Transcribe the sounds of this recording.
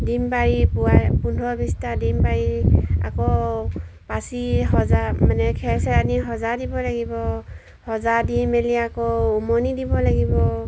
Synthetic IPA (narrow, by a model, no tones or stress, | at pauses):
dimbaɹipuapundʱɔbistadimbaɹia̰kɔ | pasihɔzamanɛkʰɛɹsɛaniɦɔzadibɔlaɡibɔ | hɔzadimeliakɔumɔnidibɔlaɡibɔ